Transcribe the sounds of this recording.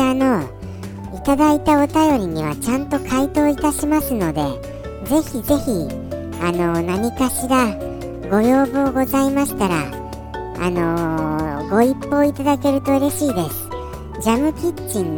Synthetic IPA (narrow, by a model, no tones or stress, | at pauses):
ano̞ | it̪ad̪ait̪ao̞t̪ajo̞ɾʲiɲ̟iβ̞a̰t͡ɕãnt̪o̞kʰait̪o̞ːit̪aɕimasɨno̞d̪e̞ | ze̞çize̞çi | ano̞naɲ̟ikaɕiɾa | ɡo̞jo̞ːbɯoɡo̞zaimaɕi̥t̪aɾa̰ | a̰no̞ | ɡo̞ipːo̞ːit̪ad̪ake̞ɾɯ̟t̪o̞ɯ̟ɾe̞ɕiːd̪e̞sɨ̥ | d͡ʑamɯ̟kʲit͡ɕːĩnː